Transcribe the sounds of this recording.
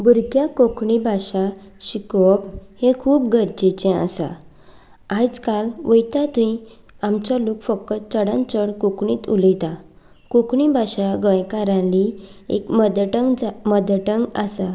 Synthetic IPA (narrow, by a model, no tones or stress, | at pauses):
buɾkjakokɳibʱaɕaɕikɔphekʰuːpɡəɾd͡ʑit͡ɕẽa̰sa̰ | ad͡zkalʋəjt̪at̪uĩ | amt͡ɕalukfəkːət͡səɽãnt͡ɕəɳkokɳiːt̪ulit̪a | kokɳibʱaɕaɡə̃jkaɾãliḛkd̪ʈd͡zməd̪ʈəŋɡasa